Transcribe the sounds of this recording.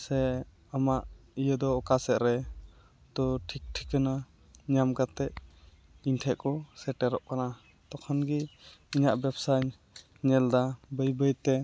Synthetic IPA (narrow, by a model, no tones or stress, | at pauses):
sɛ | amaʔijəd̪ɔːkasɛʔ̪ɾɛ | t̪ɔʈʰik̚ʈʰikəna | ɲamɡat̪ɛʔ | iɲʈʰɛʔkɔsɛʈɛɾɔʔkana | t̪ɔkʰɔnɡiiɲaʔbɛpsaɲ | ɲɛld̪abəjbəjt̪ɛ